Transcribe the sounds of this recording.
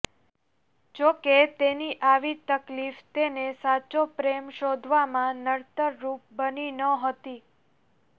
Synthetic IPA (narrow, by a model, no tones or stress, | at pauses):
d͡ʒoket̪eniʔaʋit̪əklift̪enesat͡ʃopɾemʃod̪ʱʋamãnəɽt̪əɾːup̚bəninəɦət̪i